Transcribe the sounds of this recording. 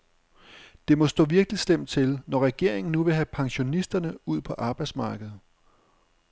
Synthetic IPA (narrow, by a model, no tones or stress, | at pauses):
d̥e̝mɒ̽sd̥ɔ̰̽ːʋiɐɡ̥lislem̰d̥̚t͡sʰe̝lnɒʁɛɡ̥e̝ɐ̰eŋn̩nuʋe̝ɦæpʰɑ̈ŋɕo̝nisd̥ɐnəuð̰ˠpʰɒ̽ʔɑ̈ːb̥ɑ̈ɪd̥smɑ̈ːɡ̥əð̞̩ˠ